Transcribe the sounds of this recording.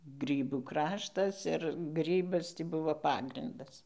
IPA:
ˈɡrʲiːbuː ˈkrɑːʃtɐs ɪr ˈɡrʲiːbɐs ˈtʲiː ˈbʊʋoː ˈpɑːɡrʲɪndɐs

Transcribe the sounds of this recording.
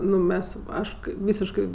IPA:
ˈnʊ ˈmʲɛs ˈɐʃ kɐɪ ˈʋʲiːsʲɪʃkɜ

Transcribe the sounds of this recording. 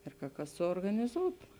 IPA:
ɪr kɐ ˈkɐs suɔrɡɐnʲɪˈzuːtʊ

